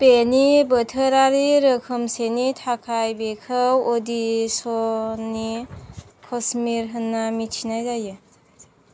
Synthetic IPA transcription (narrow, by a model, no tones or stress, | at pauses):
penibətʰəɾaɾiɾəkʰəmsenitʰakʰajbekʰəwodisoni | kʰɔsmiɾɦənːamitʰinajzajɯ